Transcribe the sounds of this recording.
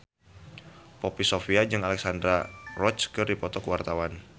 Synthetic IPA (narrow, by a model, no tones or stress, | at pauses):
popisofiad͡ʒɨŋalɛksandɾarɔt͡ʃkɨrdipɔt̪ɔkəwart̪awan